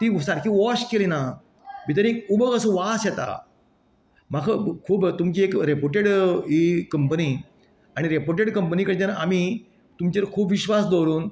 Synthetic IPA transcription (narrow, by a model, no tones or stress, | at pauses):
t̪isaɾkiʋɔɕkelena | bit̪əɾekubəɡəsəʋasjɛt̪a̰ | m̤akʰəkʰuːbt̪umt͡ɕiekɾepoɾʈeɽikəmpəni | aɽ̃iɾepoɾʈeɽkəmpənikəɽt̪anami | t̪umt͡ɕəɾkʰuːpʋiɕʋasd̪ɔɾuːn